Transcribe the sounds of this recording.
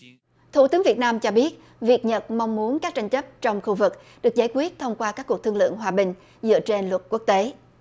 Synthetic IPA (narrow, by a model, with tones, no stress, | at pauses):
t̪ʰṵ˧˩t̪ɨ˨˦əŋvi˨˩t̚naː˧mt͡ɕɔ˧ɓi˦˥ət̚ | vi˨˩ək̚ɲə˨˩t̚ma˧wŋ͡mmu˨˦ənkaː˦˥k̚t͡ɕa˧jŋ̟t͡ɕə˦˥p̚t͡ɕɔ˧wŋ͡mxu˧vɨ˨˩k̚ | ɗɨ˨˩ək̚zaː˧˩jkwi˦˥ət̚t̪ʰə˧wŋ͡mkwaː˧kaː˦˥kːk̚t̪ɨ˧əŋlɨ̰˧˨əŋɦwaː˨˩ɓï˨˩ŋ̟ | zɨ̰˧˥ət͡ɕe˧nlwə˨˩t̚ku˦˥ək̚t̪e˨˦